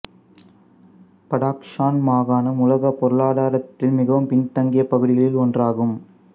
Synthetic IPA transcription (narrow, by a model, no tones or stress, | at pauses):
pɐɽaːkʂaːnmaːɣaːnɐmʊlɐɣɐpɔɾɯɭaːɽaːɾɐt̪ːɪlmɪɣɐʋɯmpɪɳt̪ɐŋɡɪjɐpɐɣɯɽɪɣɐɭɪlɔndraːɣɯm